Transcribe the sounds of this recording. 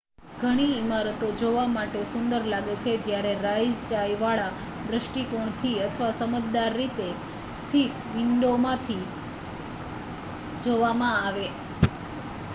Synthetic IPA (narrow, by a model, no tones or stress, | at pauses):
ɡʱəɽ̃iːmaɾət̪od͡ʒoʋamaʈesʊnd̪əɾlaɡet͡ʃʰed͡ʒjaɾeɾaid͡ʒt͡ʃajʋaɭa | d̪ɾəʃʈikoɳ̃t̪ʰiət̪ʰəʋasəmət̪d̪aɾːit̪e | st̪ʰit̪ʋɪɳɖomãt̪ʰi | d͡ʒoʋamãaʋe